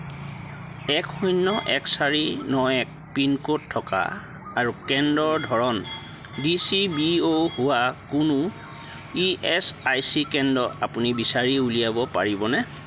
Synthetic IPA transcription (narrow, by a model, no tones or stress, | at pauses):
ɛkhunːɔʔɛksaɹinɔɛk̚pinkotʰːɔka̰ | aɹukɛndɔɹdʱɔɹɔn | disibiohuwakunʊ | iɛsajsikɛndɔa̰punibisaɹiulijabɔpa̰ɹibɔnɛ